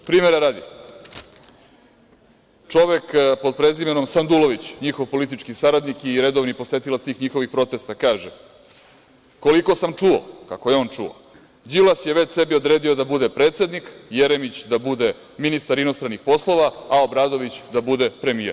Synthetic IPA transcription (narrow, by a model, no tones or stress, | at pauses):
pɾiːmeɾeɾaːd̪i | t͡ʂo̞ʋekpod̪̚pɾe̞zimeno̞msand̪ulˠo̞ʋit͡ɕɲixo̞ʋpo̞lit̪it͡ʂkisaɾad̪nikiɾe̞d̪oʋnipo̞sʋet̪ilˠat̪t̪iːxɲixo̞ʋixpɾo̞t̪est̪akaːʒe | ko̞liko̞samt͡ʂuo̰kakojeo̞ːnt͡ʂṵo̰ | d͡ʑilasjeʋet͡ɕse̞bio̞d̪ɾe̞ːd̪io̞d̪abud̪e̞pɾet̪se̞d̪nikjeɾemit͡ɕd̪abud̪e̞ | minist̪aɾino̞st̪ɾanːixpo̞slˠo̞ʋaao̞bɾad̪o̞ʋit͡ɕd̪abud̪e̞pɾe̞mijḛɾ